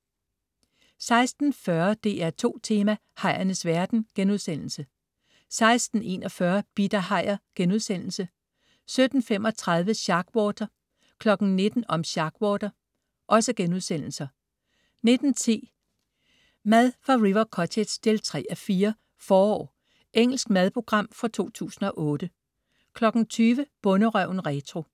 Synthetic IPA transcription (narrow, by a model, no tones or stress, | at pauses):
sɑ̈ɪsd̥n̩fɶɐd̥e̝̰ːæɐt͡sʰo̝̰ːt͡sʰe̝ːmæ | hɑ̈ɪ̰ɐnəsʋæɐd̥n̩ɡ̥enuðˠsen̰l̩sə | sɑ̈ɪsd̥n̩e̝̰ːnɒ̽fɶɐb̥id̥ɐhɑ̈ɪ̰ɐɡ̥enuð̞ˠsen̰l̩sə | sød̥n̩femɒ̽t͡sʰʁɑ̈ð̞ˠʋəɕɑ̈ɡ̥wɒːd̥ɐ | kʰlɒ̽ɡ̥n̩ne̝d̥n̩ɒ̽mɕɑ̈ɡ̥wɒːd̥ɐ | ʔɒ̽səɡ̥enuð̞ˠsen̰l̩sɐ | ne̝d̥n̩t͡sʰḭː | mæðˠfɑ̈ʁiʋɐkʰɒ̽t͡sʰe̥sd̥ʰe̝lt͡sʰʁɛ̰ːæfiːɐ | fɒːɒ̰ː | ʔeŋ̰l̩sɡ̥mæð̞ˠpʰʁo̝ɡ̥ʁɑ̈m̰fɑ̈t͡sʰo̝̰ːt͡sʰṵːsn̩ɒ̽ʔɔ̽ːd̥ə | kʰlɒ̽ɡ̥n̩t͡sʰyːʋəb̥ɔ̽nəʁœʊ̰nʁɛt͡sʰʁo̝